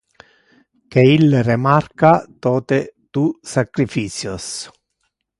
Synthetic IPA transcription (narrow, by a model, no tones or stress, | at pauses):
keilːrɪmarkat̪ɔːt̪et̪usakɾifiːt͡ʃjos